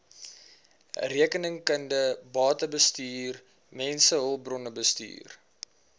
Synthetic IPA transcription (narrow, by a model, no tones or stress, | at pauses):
riəkənəŋkəndəbɑːtəbəstiːr | mɛnsəɦəlˠbrɔnəbəsty̰ːr